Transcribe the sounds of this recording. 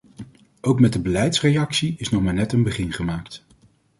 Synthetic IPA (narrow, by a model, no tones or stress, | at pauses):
owkmɛt̚dəbəlɛjtsrejɑksiɪsnɔχmaːɹnɛtənbəχɪnχəmaːkt